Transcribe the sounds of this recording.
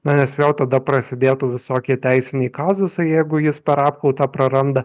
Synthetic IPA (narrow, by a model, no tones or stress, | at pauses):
mɑnʲɛsʋʲɛʊt̪ɐd̪ɐpɾɐsʲɪd̪ʲeːt̪uːʋʲɪsoːkʲiɛt̪ʲæɪsʲɪnʲɛːkɑːzʊsɐɪjɛɪɡʊjɪspʲɛɾɑːpkɐʊt̪ɑːpɾɐɾɐnd̪ɐ